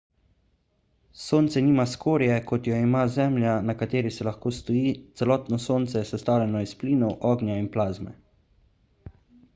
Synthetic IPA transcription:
soːnt̪sɛniːmaskoːɾjɛkɔt̪jɔimazɛːmljanakat̪eːɾisɛlaxkoːst̪ɔjiːt̪sɛlɔːt̪nɔsoːnt̪sɛjɛsɛst̪aːwlʲɛnɔispliːnɔwʔɔːɡnjainplaːzmɛ̰

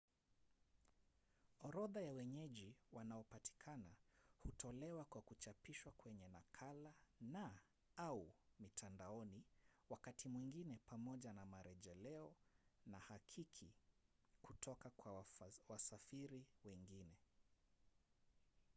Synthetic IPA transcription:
ɔɾɔðajawɛɲɛʄiwanaɔpati̥kʰanahutʰɔlɛwakwakut͡ʃapiʃwakwɛɲɛnakʰalana | aumitʰandaɔniwakatʰimwiŋɡinɛpamɔʄanamaɾɛʄɛlɛɔnahakʰikʰi | kutʰɔkakwawasafiɾiwɛŋɡinɛ

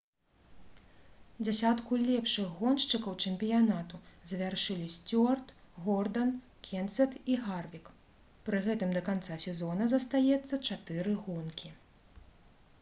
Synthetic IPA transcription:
d͡zʲasʲat̪kulʲɛpʂɨɣɣɔnʂt͡ʂɨkɐwt͡ʂɛmʲpʲijanat̪uzʲvʲarʂɨlʲisʲt͡sʲɔrt̪ | ɣɔrd̪ɐn | kʲɛnt̪sʲɛt̪iɣarvʲik | pɾɨɣɛt̪ɨmd̪ɐkant̪sasʲɛzɔnɐzɐst̪ajɛt̪sːɐt͡ʂat̪ɨɾɨɣɔnkʲi

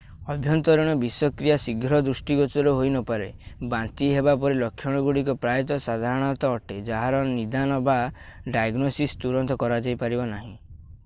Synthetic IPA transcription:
ɔbʱjɔnt̪ɔɾɔɽ̃ɔbiswɔkɾijasiɡʱɾɔd̪ɾusʈiɡɔt͡ʃɔɾɔɦojnɔpaɾebant̪iɦebapɔɾelɔkʰjɔɽ̃ɔɡuɽikɔpɾajɔt̪ɔsad̪ʱaɾɔɽ̃ɔt̪ɔːʈed͡ʒaɦaɾɔnid̪anɔbaɖajaɡnosist̪uɾɔnt̪ɔkɔɾad͡ʒajpaɾibanaɦĩ

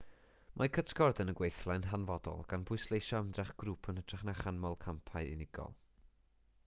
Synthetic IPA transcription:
mʔakʰətʰɡ̥ɔrdənəɡwejθlˠanɦanvɔdɔ̰lˠɡ̥anbʰʊɨslˠejʃɔəmdrɛχɡ̥ruːpʰənətʰrɛχnaχanmɔlˠkʰampʰaɨɪ̰nɪɡ̥ɔ̰lˠ

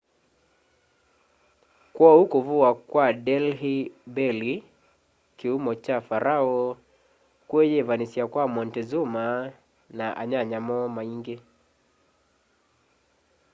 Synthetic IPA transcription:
kwɔhukɔvuakwadɛlɦibɛli | kiumɔt͡ʃafaɾʔaɔ | kwɛjɛvanisiakwamɔntɛzuma | naʔa̰ɲaɲamɔmaiŋɡɛ

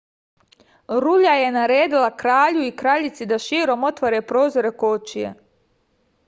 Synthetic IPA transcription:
ɾuʎaje̞naɾeːd̪ilakɾaːʎuikɾaːʎit̪sid̪aʃiːɾo̞mo̞t̪ʋaɾeːpɾo̞ːzoɾe̞koːt͡ʃijḛ

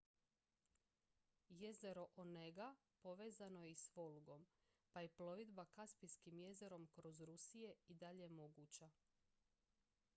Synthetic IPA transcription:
je̞ze̞ɾo̞ʔoneɡa | po̞ʋe̞ːzanojeisʋo̞lɡo̞m | pajeplˠo̞ʋid̪bakaspiskimje̞ze̞ɾo̞mkɾo̞zɾusije̞id̪aʎemo̞ɡuːt͡ɕa

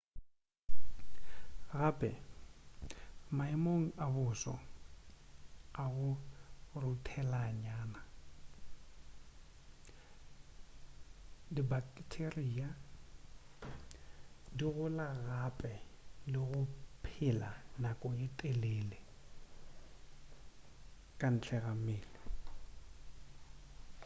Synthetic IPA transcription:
ɣaːpʼɛ | maɪmoŋ̩abʊsɔ̰ | aɣʊrʊtʰɛlaɲaːna | dibakʼtʰeriːa | diɣʊlaɣapʼɛlɪɣʊpʰɪlanakʼɔɪtʼɛleːlɪ | kʼan̩t͡ɬʰɛɣamɪːlɪ

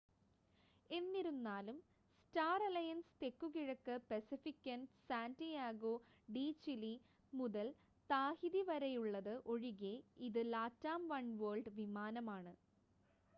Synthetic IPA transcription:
e̞nːiɾunːaːlum | staːrɐlɐjɐnst̪e̞kːukiɻɐkːɨpesifikʲːɐnsaːndijaːɡoː | ɖiːt͡ɕili | muðɐl | t̪aːhiðiʋɐɾɐjuɭːɐðɨʔo̞ɻiɣeiðɨlaːtːaːmʋɐɳʋoːɭɖʋimaːnɐmaːɳɨ

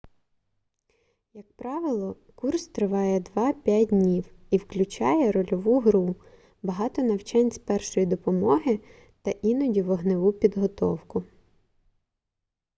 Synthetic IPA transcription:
jɐk̚pɾɑʋɪlˠɔ | kurst̪ɾɪʋɑjɛd̪ʋɑpʲjadʲnʲiwiwklʲʊt͡ʃɑjɛɾɔlʲɔʋuɦɾu | bɐɦɑt̪ɔnɐwt͡ʃɑnʲsʲpɛrʃɔjid̪ɔpɔmɔɦɪ | t̪ɐʔinɔdʲiʋɔɦnɪʋupʲid̪ɦɔt̪ɔwkʊ

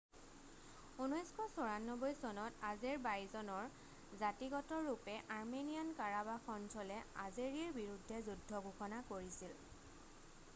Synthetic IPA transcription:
unɔjskʰɔsɔɹanːɔbɔjsɔnɔtazeɹbajzɔnɔɹ | zatiɡɔtɔɹupɛʔaɹmenijankaɹabaxɔntʰɔlɛa̰zeɹiiɹbiɹudʱːɛzudʱːɔɡʱuxɔnakoɹisil

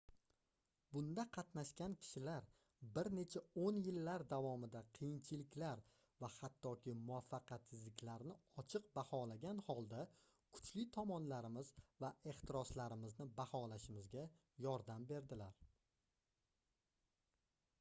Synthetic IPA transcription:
bʊnd̪aqʰɑt̪naʃkʲankʲʰɪ̥ʃɪlaɾ | bɪɾne̞t͡ʃʰaonjɪlːaɾd̪avɒmɪd̪aqʰɨjɪnt͡ʃʰɪlɪkʲlaɾ | vahat̪ːɒkʲɪmʊafːɑqʰɑt̪sɪzlɪkʲlaɾnɪɒt͡ʃʰɨq̚bahɒlaɡʲanhɒlˠd̪a | kʰʊ̥t͡ʃlɪt̪ʰɒmɒnlaɾɪmɪz̥vae̞χt̪ʰɪɾɒslaɾɪmɪznɪbahɒlaʃɪmɪzɡʲa | jɒɾd̪ambe̞ɾd̪ɪlaɾ

